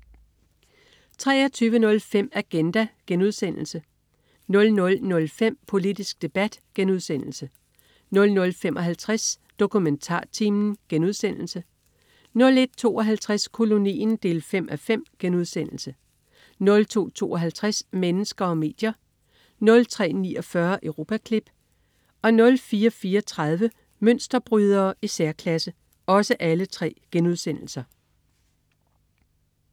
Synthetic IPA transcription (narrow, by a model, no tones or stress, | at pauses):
t͡sʰʁɛ̰ːɒt͡sʰyːʋənɔ̽lfem̰æɡ̥end̥æɡ̥enuð̞̰ˠsen̰l̩sə | nɔ̽lnɔ̽lnɔ̽lfem̰pʰo̝lid̥isɡ̥̚d̥e̝b̥æd̥ɡ̥enuð̞̰ˠsen̰l̩sə | nɔ̽lnɔ̽lfemʔɒ̽ɦælt͡sʰʁas | d̥o̝kʰument͡sʰɑ̰̈ːt͡sʰimn̩ɡ̥enuð̞̰ˠsen̰l̩sə | nɔ̽le̝d̥̚t͡sʰo̝̰ːɒ̽ɦælt͡sʰʁæskʰo̝lo̝nḭːnd̥e̝ːlfem̰ʔæfem̰ɡ̥enuð̞ˠsen̰l̩sə | nɔ̽lt͡sʰo̝̰ːt͡sʰo̝̰ːɒ̽ɦælt͡sʰʁasmenəsɡ̥ɐɒ̽me̝̰ːd̥jɐ | nɔ̽lt͡sʰʁɛ̰ːnḭːɒ̽fɶɐʔəʊʁo̝ːpʰækʰlib̥ | ɒ̽nɔ̽lfiːɐfiːɒt͡sʰʁað̞ˠʋə | møn̰sd̥ɐb̥ʁyð̞ˠɐːisæɐkʰlæsə | ɒ̽səʔælət͡sʰʁɛ̰ːɡ̥enuð̞ˠsen̰l̩sɐ